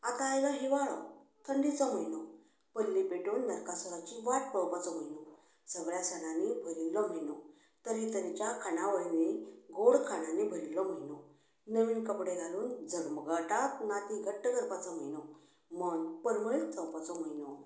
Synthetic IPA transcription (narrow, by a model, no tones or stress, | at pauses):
at̪aːjɡaɦiʋaɭɔ̰t̪ʰəɳɖit͡sɔm̤əjnɔ | pəlːipeʈuːnːəɾkasɔɾat͡ɕiʋaʈ̚pəɭpat͡sɔm̤əjnɔ | səɡɭjasɛnãnibʱəɾilːɔm̤əjnɔ | t̪əɾɦit̪əɾit͡ɕjakʰanaʋəjniɡoɽkʰananibʱəɾilːɔm̤ənɔ | nəʋiːnkəpɽeɡʱaluːnd͡zʱəɾməɡaʈat̪̚nat̪iɡʱəʈːəɡəɾpat͡sɔm̤əjnɔ | məɳpəɾməɭit͡sə̃wpat͡sɔm̤əjnɔ